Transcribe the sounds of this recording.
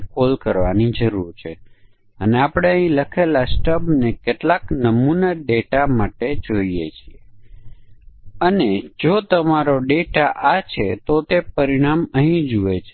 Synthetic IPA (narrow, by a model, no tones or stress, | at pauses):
kolkəɾʋanid͡ʒəɾuɾt͡ʃʰe | əneapɽ̃eə̃ɦĩləkʰelasʈəbnekeʈlaknəmunaɖeʈamaʈed͡ʒoijet͡ʃʰie | əned͡ʒot̪əmaɾoɖeʈaʔat͡ʃʰet̪ot̪epəɾiɽ̃aməɦĩd͡ʒuʋet͡ʃʰe